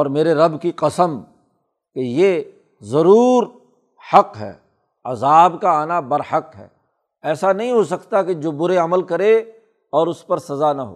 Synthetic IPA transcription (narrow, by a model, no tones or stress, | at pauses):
ɔːɾmeːɾeɾɐbkiqɐsəm | keje | zɐɾuːɾ | hɐqɦɛ̰ː | ɐzaːbkaaːnabɐɾhəqɦɛ̰ː | ɛːsanɐɦĩɦosɐkt̪aked͡ʒoːbʊɾeɐməlkɐɾe | ɔːɾʊspɐɾsɐzanɐɦo̰ː